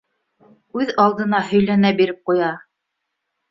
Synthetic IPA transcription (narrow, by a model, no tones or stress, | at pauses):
ʉðɑlˠd̪ɤ̆nɑhɵ̆jlænæbiɾɘp̚qujɑ